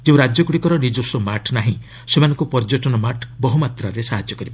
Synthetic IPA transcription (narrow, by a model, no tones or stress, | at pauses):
d͡ʒeũɾad͡ʒjɔkuɽikɔɾɔnid͡ʒosumaʈnaɦĩ | semanɔ̃ŋkupɔɾd͡ʒɔʈɔnɔmaʈbɔɦumat̪ɾaɾesaɦad͡ʒjɔkɔɾibɔ